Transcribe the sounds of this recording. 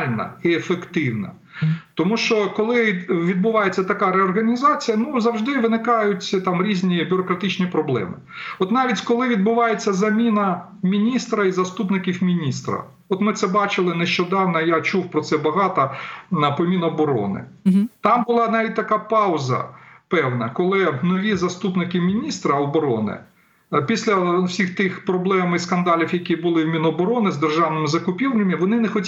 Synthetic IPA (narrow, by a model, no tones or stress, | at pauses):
lʲnɐ̰iefekt̪ɪwnɐ̰ | t̪ɔmuʃt͡ʃɔkɔlˠɪʋʲid̪̚bʊʋɑjet͡sʲːɐt̪ɐkɑɾɛɔrɣɐnʲizɑt͡sʲijɐnuzɐwʒd̪ɪʋɪnɪkɑjʊtʲt̪ɑmɾʲizʲnʲibʲʊɾɔkɾɐt̪ɪt͡ʃnʲipɾɔblˠɛ̰mɪ | ɔt̪nɑʋʲitʲkɔlˠɪʋʲid̪̚bʊʋɑjet͡sʲːɐzɐmʲinɐ | mʲinʲist̪ɾɐizɐst̪upnɪkʲiwmʲinʲist̪ɾɐ̰ | ɔt̪mɪt̪sɛbɑt͡ʃɪlˠɪnɛʃt͡ʃɔd̪ɑwnɐjat͡ʃuwpɾɔt̪sɛbɐɦɑt̪ɐpɔmʲinɐːbɔɾɔ̰nɪ̰t̪ɑmbʊlˠɑnɑʋʲit̚ʲt̪ɐkɑpɑʊzɐ̰pɛwnɐkɔlˠɪnɔʋʲizɐst̪upnɪkʲɪmʲinʲist̪ɾɐɔbɔɾɔ̰nɪ̰ | pʲisʲlʲɐwsʲixt̪ɪxpɾɔblˠɛmiskɐnd̪ɑlʲiwjɐkʲibʊlˠɪwmʲinɔːbɔɾɔnɪzd̪erʒɑwnɪmɪzɐkʊpʲiwnʲɐmɪʋɔnɪnɛxɔtʲ